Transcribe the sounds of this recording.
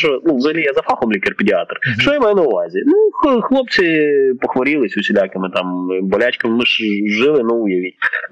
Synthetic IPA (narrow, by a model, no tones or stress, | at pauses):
t͡ʃɔnuʋzɐɦɐlʲijazɐfɑxɔmlʲikerpʲɪdʲɪɑt̪rʃt͡ʃɔjɐmajɛnɐʊʋɑzʲinuxxlˠɔp̚t͡sʲɪpɔxʋɐɾʲilˠɪsʲʊsʲɪlʲakɪmɪt̪ɑmbɔlʲat͡ʃkɐmmɪʃʒɪlˠɪnuʊjɐʋʲitʲ